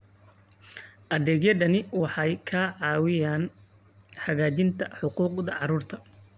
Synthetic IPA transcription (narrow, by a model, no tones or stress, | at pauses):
ʔɐðɛːɡjɛdɐnɪwɑħɑjkʰaʕɑːwɪjaːn | ħɐɣaːt͡ʃɪnt̪ʰɐħʊquːqd̪ɐʕɑɾuːrt̪ʰɐ